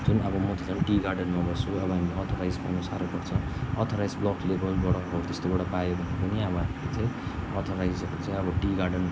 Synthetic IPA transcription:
d͡zunʌbʌmʌt̪it͡samʈiɡarɖʌnmʌbʌsuʌbʌɦamileʌt̪ʰoɾajd͡zpa̰wnusaɾopʌrt͡sʰʌ̃ʌt̪ʰoɾajd͡zblʌklebʌlbʌɽʌbot̪est̪obaɽʌpajobʱʌnd̪apʌniabʌɦamilet͡saj̃ʌt̪ʰoɾajd͡zʌɾot͡sãj̃ʌbʌʈiɡarɖʌn

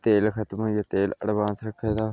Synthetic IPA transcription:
t̪eːlkʰət̪məjat̪eːlə̰ɽʋãːnsɾəkʰːed̪aː

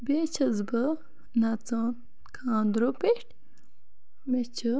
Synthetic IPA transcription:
bet͡ʃʰɐzbɐ | nat͡sãː | kʰaːnd̪ɾopeʈʲ | met͡ɕʰɨ

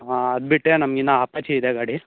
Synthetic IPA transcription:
aɐd̪biʈːɾenɐmɡinːɐaːpɐt͡ʃiid̪eɡaːɽi

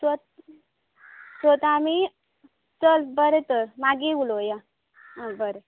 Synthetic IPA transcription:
sət̪̚ | sət̪ami | t͡səlbəɾet̪əɾmaɡiuloja | ə̃bəɾe

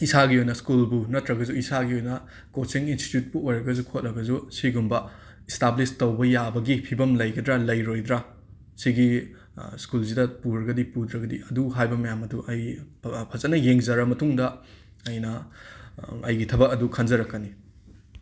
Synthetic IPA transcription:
isaɡiojnɐskulbunɐtɾɐɡɐd͡ʒuisaɡiojnɐ | kot͡ʃiŋinsti̥tjut̚buojɾɐɡɐzukʰot̚lɐɡɐzusiɡumbɐ | establistɐwbɐjabɐɡipʰibɐmlɐjɡɐdɾalɐjɾojd̪ɾa | siɡi | skulzidɐpuɾɐɡɐdipud̪ɾɐɡɐdiɐduɦajbɐmɐjamɐduʔɐj | pʰɐzɐtnɐjeŋzɐɾɐmɐtuŋdɐ | ɐjnɐ | ɐjɡitʰɐbɐkɐdukʰɐnd͡ʒɐɾɐkːɐni

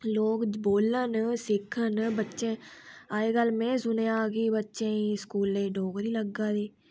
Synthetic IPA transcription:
loːɡboːlənsɪkʰənbətːʃẽaːeɡəlmẽsʊneaːɡibətːʃẽiskuːlẽɖʱoːɡɾiləɡad̪eː

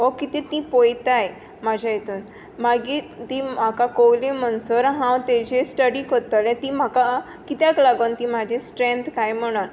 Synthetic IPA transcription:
okit̪ĩt̪ĩpojt̪aj | mad͡ʑʱajet̪un | maɡit̪im̤akakowlĩməɳsɔɾɦãwt̪ed͡ʑesʈəɽikot̪alẽt̪ĩm̤aka | kit̪jaklaɡont̪ĩmad͡ʑʱesʈɾent̪kajm̤əɽ̃aɾ

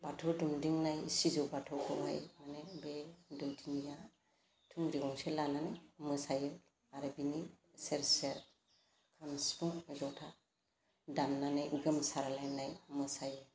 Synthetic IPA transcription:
batʰɔdumdiŋnajisizɔbatʰɔkɔbajmanɛbedɔwdinija | tʰuŋɡɾiɡɔŋsɛlananɯjmɯsajɯ | aɾebini | sɛɾsɛɾ | kʰanspuŋzɔtʰa | danːanajʔuɡəmsaɾalajnajmɯsajɯ

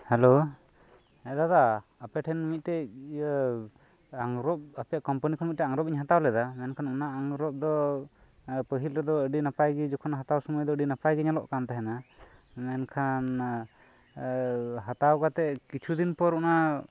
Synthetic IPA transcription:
hɛlo | ɛd̪ad̪aː | pɛʈʰɛnːimit̪̚ˀtɛ | aŋɾɔp̚apɛjakɔmpanikʰɔnmit̪̚tɛaŋɾɔpiɲɦat̪awlɛd̪amɛnkʰanunaʔaŋɾɔp̚d̪ɔ | pəɦilɾɛd̪ɔəɖinapajɡid͡ʒɔkʰɔnɦat̪awsɔmujd̪ɔəɖinapajɡɛɲalɔ̰ʔkant̪ɛɦɛna | mɛnkʰan | ɦat̪awkat̪ɛʔkit͡ʃʰud̪inpɔɾuna

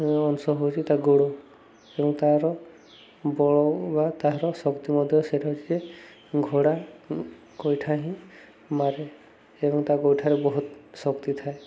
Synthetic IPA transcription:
ɔnsɔɦowt͡ʃʰit̪aɡoɽɔ | ebɔŋt̪aɾɔ | bɔɭɔbat̪aɦɾɔsɔkt̪imɔd̪ʱjɔseʈʰaɦot͡ʃʰid͡ʒe | ɡʱoɽa | kojʈʰaɦĩ | maɾe | ebɔŋt̪aɡojʈʰaɾebɔɦut̪sɔkt̪it̪ʰae

